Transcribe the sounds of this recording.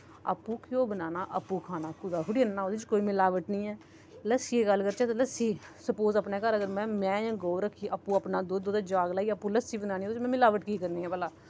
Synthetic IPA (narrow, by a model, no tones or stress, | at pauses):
ə̰pːũːkɪjoːbənaːnaːʔəpːũːkʰaːnaːkʊd̪aːɦʊɽiːnaːoːd̪ɪt͡ʃkoːiːmɪlaːʋəʈnəĩːɛː | ləsiːeːɡəlːkəɾt͡ʃɛːt̪ːləsiːsəpoːzəpneːkəɾəɡəɾmɛ̃ːmɛ̃ːjãːɡoːɾəkʰːiːʔəpːũːəpnaːd̪oːd̪oːd̪ad͡ʒaːɡlaːiːəpːũːləsiːbənaːnĩːod̪ot͡ʃmɛ̃ːmɪlaːʋəʈkiːkəɾniːɛ̃ːpəlaː